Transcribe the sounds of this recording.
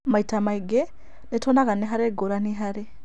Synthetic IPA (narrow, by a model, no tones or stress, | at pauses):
maitamaiɡe | netʰonakaneɦaɾeɡoɾaniɦaɾe